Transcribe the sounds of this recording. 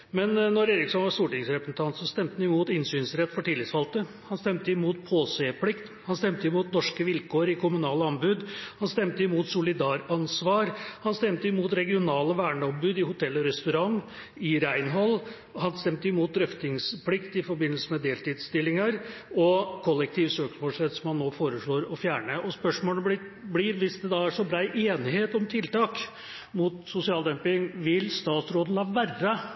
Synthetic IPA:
mɛnnːɔɾeːɾɪksɔnʋɑɾʂt̪uːʈɪŋsɾɛpəsn̩t̪ʰɑnt̪sɔst̪ɛmt̪nɪmuːt̪ɪnsyːnsɾɛt̪ːfɔʈɪːlɪt̪sfɑlt̪ə | hɑnst̪ɛmt̪əɪmuːt̪pʰoːseːpʰlɪkt̪hɑnst̪ɛmt̪əɪmuːt̪nɔʂkəʋɪlkʰoːɾɪkʰʊmʉnɑːləɑmbʉd̪hɑnst̪ɛmt̪əɪmuːt̪sʊlɪd̪ɑːɾɑnsʋɑːɾhɑnst̪ɛmt̪əɪmuːt̪ɾɛɡɪʊnɑːləʋæːɳəɔmbʉːd̪ɪhʊt̪ʰɛlːɔɾɛst̪ʉɾɑŋ | ɪɾæɪnɦɔlː | hɑnst̪ɛmt̪əjʊmuːt̪̚d̪ɾœft̪ɪŋsplɪkt̪ɪfɔɾbɪnəlsəmɛd̪eːlt̪iːd̪st̪ɪlːɪŋɑɾɔkʰɔlːɛk̚t̪ʰiːʋsøːksmoːlsɾɛt̪ːsɔmhɑnːoːfoːɾəʂɭoːɾɔfjæːɳəʔɔspœʂmoːləbɪ | blɪɾʋɪsd̪ɛd̪ɑːæʂɔbɾɑːʔeːnɪheːt̪ɔmt̪ʰɪlt̪ɑːk | mut̪sʊsɪɑːlˠd̪ɛmpɪŋʋɪlst̪ɑːt̪sɾoːd̪n̩lɑːʋærːə

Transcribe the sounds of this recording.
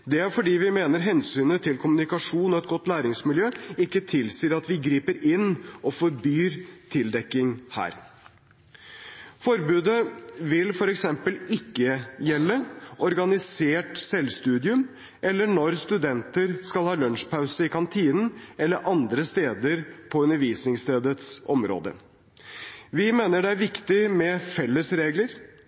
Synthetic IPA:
d̪ɛæɾfɔɖiːʋɪmeːnəɾɦɛnsyːnət̪ʰɪlkʰʊmʉnɪkɑʂuːnɔɛt̪̚ɡɔt̪ːlæːɾɪŋsmɪljøːɪkːət̪ʰɪlsiːəɾɑt̪ʋɪɡɾiːpəɾɪnːʔɔfɔɾbyːɾt̪ʰɪld̪ɛkːɪŋhæ̰ːɾ | fɔɾbʉːd̪əʋɪlfɔɾɛksɛmpəlɪkːəjɛlːəʔɔɾɡɑnɪseːʈsɛlst̪ʉːd̪ɪʉm | ʔɛlːəɳɔɾst̪ʉd̪ɛnt̪əɾskɑlhɑːlœnʂpʰɑʉsəɪkʰɑnt̪ʰiːnn̩ɛlːəɾʔɑnd̪ɾəst̪eːd̪əɾpʰɔʉnəɾʋiːsnɪŋst̪ʰeːd̪ət̪sɔmɾo̰ːd̪ə̰ | ʋɪmeːnəɖɛæɾʋɪkt̪ɪmɛfɛlːəsɾeːɡləɾ

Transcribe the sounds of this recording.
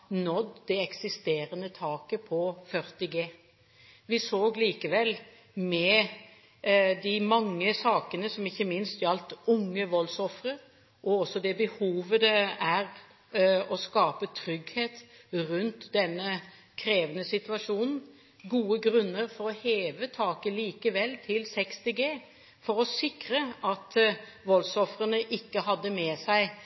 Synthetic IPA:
nɔd̪d̪ɛɛksɪst̪eːɾənət̪ʰɑːkəpʰɔfœɾt̪ɪɡeː | ʋɪsoːɡliːkəʋɛlː | mɛ | d̪ɪmɑŋːəsɑːkənəsɔmɪçːəmɪnst̪jɑlt̪ʊŋːəʋɔlsɔfɾəɾ | ʔɔɔsːɔd̪ɛbəhuːʋəd̪ɛæɾ | ɔskɑːpət̪ʰɾʏɡheːt̪ | ɾʉnt̪d̪ɛnːə | kʰɾeːʋənəsɪt̪ʋɑʂuːnn̩ | ɡuːəɡɾʉnːəɾfɔɾɔheːʋət̪ʰɑːkəliːkəʋɛlːt̪ʰɪlsɛkst̪ɪɡeː | fɔɾɔsɪkɾəɑt̪ʋɔlsɔfɾənəʔɪkːəɦɑd̪ːəmɛsæɪ

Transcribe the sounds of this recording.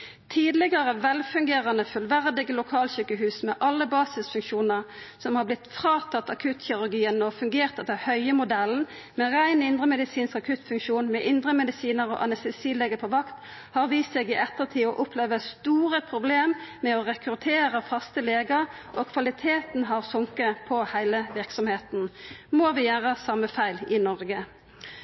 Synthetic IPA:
t̪ʰiːd̪lɪɡəʁəʋɛlfʉŋɡeːʁɑnəfʉlʋæʁd̪ɪɡəlʊkʰɑːlɕyːkəɦʉːsmɛʔɑlːəbɑːsɪsfʉŋkʃuːnəʁ | sɔmhɑblɪt̪ːfʁɑːt̪ʰɑt̪ːɑkʰʉt̪çɪʁʉʁɡiːənɔfʉŋɡeːʁt̪ɛt̪əhœʏəmʊd̪ɛln̩ | mɛʁæɪnɪnd̪ʁəmɛd̪ɪsiːnskɑkʰʉt̪fʉŋkʃuːnmɛʔɪnd̪ʁəmɛd̪ɪsiːnəʁɔ̰ʔɑnɛst̪ɛsiːleːɡəpʰɔʋɑkt̪ | hɑʁʋiːseːɡɪʔɛt̪ːəʁt̪ʰiːɔʔʊpʰleːʋəst̪uːʁəpʰʁʊbleːmmɛɔʁɛkɾʉt̪ʰeːʁəfɑst̪əleːɡəʁʔɔkʰʋɑlɪt̪ʰeːt̪n̩ɦɑʁsʊŋkəpʰɔhæɪləʋɪʁksɔmheːt̪nmoʋɪjæːʁəsɑmːəfæɪlɪnɔʁɡə

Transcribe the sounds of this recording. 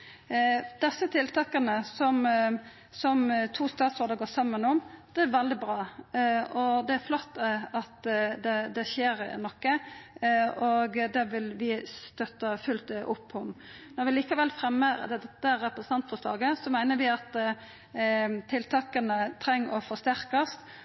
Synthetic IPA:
d̪̥ɛsət̪ʰɪlt̪ʰɑːkɑnəsɔm | sɔmt̪ʰuːst̪ɑːt̪sɔːɾd̪əɾɡoːsɑmːənɔmd̪̥ɛæɾʋɛld̪ɪbɾɑː | ɔd̪ɛæɾflɔt̪ːɑt̪d̪ɛd̪ɛʃeːɾnɔkːə | oɡd̪ɛʋɪlʋɪst̪œt̪ːɑfʉlt̪ʔʊpʰːɔmnɔɾʋɪliːkɑʋɛlfɾɛmːəɾd̪ɛɛt̪ːəɾɛpɾəsənɑnt̪fɔslɑ̰ːɡəsɔmæɪnəɾʋɪɑt̪ | t̪ʰɪlt̪ʰɑːkɑnət̪ʰɾɛŋːɔfɔst̪æɾkɑst̪

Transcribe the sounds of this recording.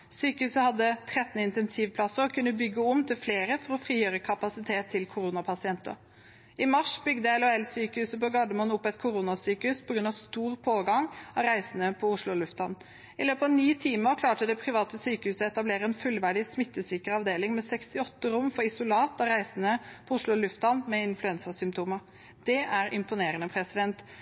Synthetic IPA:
syːkəhʉːsəhɑd̪ːət̪ʰɾɛt̪ːn̩ɪnt̪ɛnsiːʋpʰlɑsəɾɔkʰʉnːəbʏɡːəɔmt̪ʰɪlfleːɾəfɔɾɔfɾiːjøːɾəkʰɑpɑsɪt̪ʰeːt̪ʰːɪlkʰʊɾuːnɑpʰɑsɪɛnt̪ə̰ | ɪmɑʂbʏɡd̪əɛlɔɛlsyːkəhʉːsəpɔɡɑd̪əmɔːnʊpːɛt̪kʰʊɾuːnɑsyːkəhʉspʰɔɡɾʉnɑʋst̪uːʁpʰoːɡɑŋɑʋɾæɪsənəpʰɔʊʂlʊɔlʉft̪ɑn | ɪløːpəɑʋniːt̪ʰiːməɾkʰlɑːʈəd̪ɛpʰɾɪʋɑːt̪əsyːkəhʉːsəɛt̪ɑbleːɾəɛnfʉlʋæɖɪsmɪt̪ːəsʏːkəɾəɑʋd̪eːlɪŋmɛsɛkst̪ɪɔt̪ːəɾʊmːfɔɾɪsʊlɑːt̪ɑɾæɪsənəpʰɔʊʂlʊɔlʉft̪ɑnmɛɪnflʉɛnsəsʏmpt̪ʰuːməɾ | d̪̥ɛʔæɾʔɪ̰mpʊneːɾənəpʰɾɛsɪd̪ɛnt̪

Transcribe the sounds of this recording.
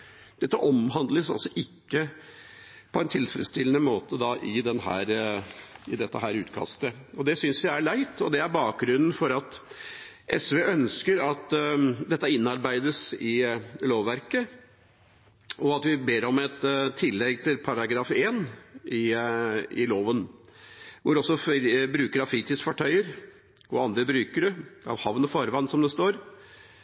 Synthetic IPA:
d̪̥ɛt̪ːəʔɔmɦɑnd̪ləsɑ̰lsɔʔɪkːə | pʰɔɛnt̪ʰɪlfəɾə̰t̪st̪ɪlənəmoːt̪əd̪ɑʔɪd̪ɛnɦæ̰ːɾ | ɪd̪ɛt̪ːəɦæːɾʉːt̪kʰɑ̰st̪ə | ɔd̪ɛsʏnsjæɪæɭæɪt̪ɔd̪ɛæɾbɑːk̚ɡɾʉnn̩fɔɾɑt̪ | ʔɛsʋeːʔœnskəɾɑt̪d̪ɛt̪ːəɪnːɑɾbæɪd̪əsɪloːʋʋæɾkə | ʔɔɑt̪ʋɪbeːɾɔmɛt̪t̪ʰːɪlːɛɡt̪ʰɪlpʰɑɾɑɡɾɑːfeːnɪ | ɪ̰loːʋən | ʋʊɾɔsːɔfbɾʉːkəɾɑʋfɾiːt̪ɪsfɔʈʰœʏəɾ | ɔɑnd̪ɾəbɾʉːkəɖɛɑ̰ʋhɑʋnɔfɑɾʋɑnsɔmd̪ɛst̪oːɾ

